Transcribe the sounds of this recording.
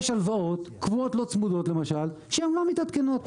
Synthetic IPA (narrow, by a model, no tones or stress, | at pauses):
ʃalvao̞t̪kvuot̪lo̞t͡smud̪o̞t̪lemaʃalʃeemlamit̪at̪keno̞t̪